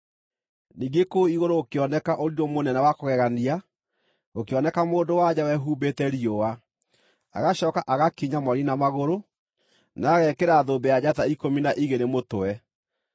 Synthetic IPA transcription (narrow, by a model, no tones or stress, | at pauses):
niːɡekoiɣoɾoːkeɔnɛkaʔoɾiɾɔmonɛnawakoɣɛɣania | okeɔnɛkamoːndowad͡ʑawɛɦubetɛɾiowa | a̰ɣaɕɔkaʔaɣakiɲamɔɾinamaɣoɾo | naːɣɛkeɾaːðoːbɛjad͡ʑataikominaʔiɣeɾemotoɛ